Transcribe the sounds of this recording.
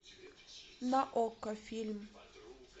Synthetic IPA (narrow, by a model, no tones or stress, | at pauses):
naʔɔkːafilm